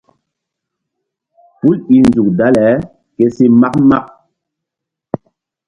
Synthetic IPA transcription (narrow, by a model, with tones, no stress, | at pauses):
pu˦lɓi˨nzu˨k̚da˦lɛ˨˦ | ke˦se˦ma˦kma˦k̚